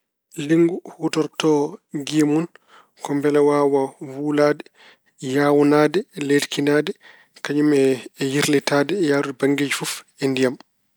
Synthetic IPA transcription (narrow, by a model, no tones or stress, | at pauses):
liŋɡuhutɔɾtɔɡemun | kɔmbɛlɛwaːwawulaːdɛ | jaːwunaːdɛledkinaːdɛ | kaɲumɛjiɾlɛtaːdɛjaːɾubaŋɡed͡ʒifufɛndijam